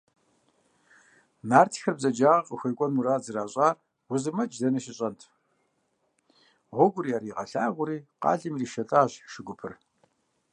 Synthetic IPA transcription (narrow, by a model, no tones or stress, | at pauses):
naːrtʰi̥xɐrbzɐd͡ʒaːʁɐqʼəxʷɐjkʷʼɔnmuɾaːd͡zɨraːɕʼaːr | wʊzɨmɐd͡ʒzɐnɐʃɪɕʼɐntʰ | ʁʷɔɡʷʊɾiːaːɾiːʁɐɬaːɣʷʊɾiːqɑ̰ːɮɨmriːʃɐtʼaːɕʃɪɡʷʊpʰɨ̰r